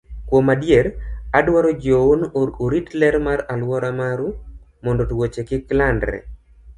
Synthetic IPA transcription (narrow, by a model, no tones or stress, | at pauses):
kwomadjeɾadwaɾod͡ʒowonoɾoɾitlɛɾmaɾalwɔɾamaɾu | mɔndotwot͡ʃekɪklandɾɛ̰